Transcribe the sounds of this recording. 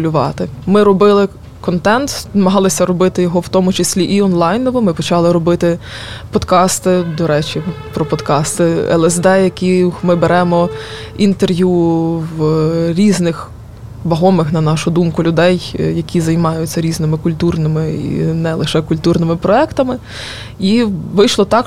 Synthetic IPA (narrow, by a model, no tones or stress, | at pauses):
lʲʊʋɑt̪ɪmɪɾɔbɪlˠɪ | kɔnt̪ɛnt̪nɐmɐɦɑlˠɪsʲɐɾɔbɪt̪ɪjɔɦɔwt̪ɔmʊt͡ʃesʲlʲiʔiɔnlˠɑjnɔʋɔmɪpɔt͡ʃɑlˠɪɾɔbɪt̪ɪ | pɔd̪kɑst̪ɪd̪ɔɾɛt͡ʃʲi | pɾɔpɔd̪kɑst̪ɪɛ̰lˠɛzd̪ɛjɐkʲimɪbeɾɛmɔ | int̪erʋjuʋɾʲiznɪx | ʋɐɦɔmɪxnɐnɑʃʊd̪umkʊlʲʊd̪ɛjjɐkʲizɐjmɑjʊt͡sʲːɐɾʲiznɪmɪkʊlʲt̪urnɪmɪḭnɛlˠɪʃɛkʊlʲt̪urnɪmɪpɾɔɛkt̪ɐmɪ | iʋɪjʃlˠɔt̪ɑk